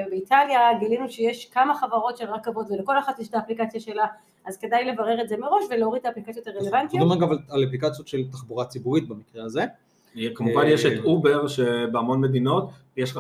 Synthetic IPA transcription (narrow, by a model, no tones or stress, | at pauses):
beitaljaɡilinuʃejeʃkamaχavaʁo̞tʃelʁakavo̞tveleko̞laχat̪jeʃtaːplikat͡sjaʃe̞la | ʔazke̞dajle̞vaʁe̞ʁetze̞meʁo̞ʃveleoʁid̚t̪ːaːplikat͡sjot̪aʁelevant̪ijdomaɡavalalaplikat͡sjotʃelt̪aχbuʁat͡sibuʁit̪̚bamikʁeaze | kamuvanjeʃet̪ubeʁʃebeamo̞nme̞d̪ino̞t̪ | jeʃ